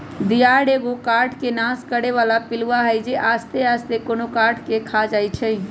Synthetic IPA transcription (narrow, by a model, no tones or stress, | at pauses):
d̪ijaɽeɡokaɾʈʰkenaskəɽeʋalapiluwaɦəjd͡ʒeʔast̪east̪ekonokaɾʈʰkekʰad͡ʒajt͡ʃʰəj